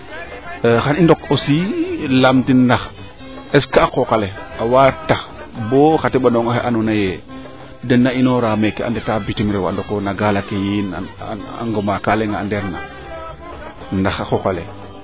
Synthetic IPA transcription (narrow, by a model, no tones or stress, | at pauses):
xanindokosilamtindax | eskaːkokaleawataboxatiɓanoŋoxeʔanunaje | dɛnːainoɾaːmekːeʔa̰ndetabitimiɾewa̰ndokonaɡalakejinaa̰ŋɡomakaleŋaːndeɾna̰ | ndaxaxokalḛ